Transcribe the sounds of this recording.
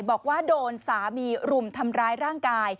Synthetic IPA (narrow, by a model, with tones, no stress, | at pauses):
jbɔː˨˩k̚waː˥˩doː˧nsaː˩˦miː˧ɾu˨˩mt̪ʰa˧mɾaː˦˥jɾaː˥˩ŋkaː˧j